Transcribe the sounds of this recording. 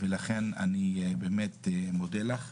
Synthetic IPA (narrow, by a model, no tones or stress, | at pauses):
velaχena̰nibeːmet̪mod̪elaχ